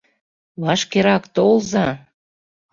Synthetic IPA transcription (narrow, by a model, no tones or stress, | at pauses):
βɑʃkeɾɑkt̪olzɑ